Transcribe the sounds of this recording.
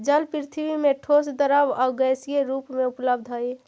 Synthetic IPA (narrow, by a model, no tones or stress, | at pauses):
d͡ʒəlpɾit̪ʰibimeʈʰosd̪əɾəbaɡəjsijeɾupmeupləbd̪ʱɦəj